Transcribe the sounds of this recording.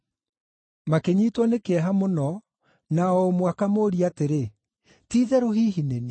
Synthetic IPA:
makeɲiːtwɔnekeɛɦamonɔ | naɔomwakamoːɾiateɾe | tiːðɛɾoɦiːɦinene

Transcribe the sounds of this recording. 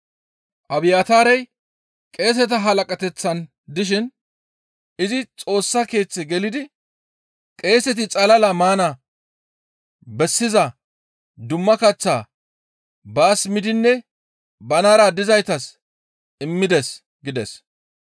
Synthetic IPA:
ʔɐbɪjaːt̪aːɾɛj | kʼe̞ːs̬ɛt̪̬ɐɦɐlɐkʼɐt̪ɛt͡sːɐn | d̪ɪʃ̬ɪn | ʔɪzɪt͡sʼo̞ːsːɐke̞ːt͡sːɛɡɛlɪd̪ɪ | kʼe̞ːsɛt̪̬ɪt͡sʼɐlɐlɐmaːna | bɛsːɪzɐ | d̪ʊmːɐkɐt͡sːaː | baːsmɪd̪ɪnːɛ | bɐnaːɾad̪ɪzɐjt̪ɐs | ɪmːɪd̪ɛs | ɡɪd̪ɛs

